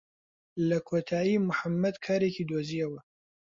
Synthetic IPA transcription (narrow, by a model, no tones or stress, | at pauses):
lɐkʰoːt̪ʰaːjimʊħamːɐd̪kʰaːɾekid̪oːziːɐwɐ